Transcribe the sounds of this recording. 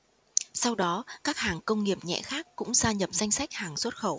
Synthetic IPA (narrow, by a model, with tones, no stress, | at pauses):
sa˧wɗɔ˨˦kaː˦˥k̚haː˨˩ŋkə˧wŋ͡mŋi˨˩əp̚ɲɛ̰˧˨xaː˦˥kːʊ̰˧˥ŋ͡mzaː˧ɲə˨˩p̚za˧jŋ̟sa˦˥jk̟̚haː˨˩ŋswə˦˥t̚xə˧˩w